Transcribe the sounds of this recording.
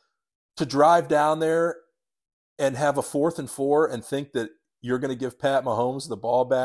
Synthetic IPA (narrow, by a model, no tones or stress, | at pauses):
tʰɨdɹaɪvdãʊ̃nðə˞ | ɨ̃nɨvəfɔɹθɨ̃nfɔɹɨ̃nθɪ̃ŋk̚ðɨt͡ʃ | ə˞ɡʌñɨɡɪv̥pʰæt̚məɦõʊ̃mzðəbɔlˠbæ